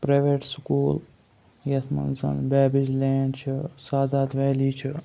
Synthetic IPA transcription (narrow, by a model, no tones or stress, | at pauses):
pɾeʋeːʈskuːl | jɐsʰmɐ̰nsɐ̰nbɛːbid͡ʒleːnt͡ʃʰisaːd̪aːt̪ʰʋeːliːt͡ʃʰi